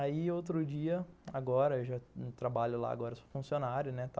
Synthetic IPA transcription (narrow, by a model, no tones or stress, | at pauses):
aiowt̪ɾʊd͡ʒiɐaɡɔɾɐewʒat̪ɾabaʎʊla̰a̰ɡɔɾɐso̥fũsionaɾjʊnɛt̪a